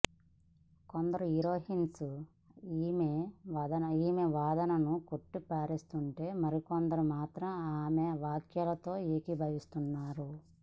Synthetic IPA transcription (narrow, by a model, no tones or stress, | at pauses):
kond̪ɐɾuiɾoːɦinsu | iːmeʋd̪ɐnɐiːmeʋaːd̪ɐnɐnukoʈːipaːɾist̪uɳʈe̞ːmɐɾikond̪ɐɾumaːt̪ɾɐmaːmeʋaːkjɐlɐt̪o̞ːeːkibʱɐʋist̪unːaːɾu